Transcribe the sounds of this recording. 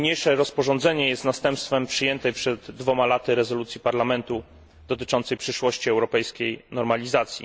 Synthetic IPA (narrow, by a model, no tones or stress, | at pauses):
ɲejʂɛɾɔspɔʐɔnd̪zɛɲɛjɛst̪nast̪ɛmpst̪fɛmpʂɘjɛnt̪ɛpʂɛd̪ːvɔmalat̪ɘɾɛzɔlut̪sʲjipaɾlamɛnt̪u | d̪ɔt̪ɘt͡ʂɔnt̪sɛjpʂɘʂwɔɕt͡ɕiɛwɾɔpɛjskʲejnɔɾmalʲizat̪sʲjḭ